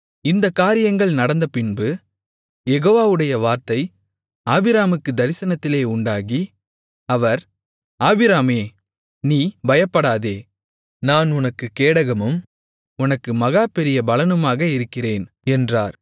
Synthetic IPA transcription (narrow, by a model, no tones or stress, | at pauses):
ɪnd̪ɐkːaːɾɪjɐŋɡɐɭnɐɽɐnd̪ɐpɪnbɯ | jɛɣoːʋaːʋɯɽɐjɐʋaːɾt̪ɐɪ | aːbɪɾaːmɯkːɯd̪ɐɾɪsɐnɐt̪ːɪleːʊɳɖaːɣi | ɐʋɐɾ | aːbɪɾaːmeː | niːbɐjɐpːɐɽaːðeː | naːnʊnɐkːɯkːeːɽɐɣɐmɯm | ʊnɐkːɯmɐɣaːpɛɾɪjɐbɐlɐnɯmaːɣɐɪɾɯkːɪreːn | ɛndra̰ːɾ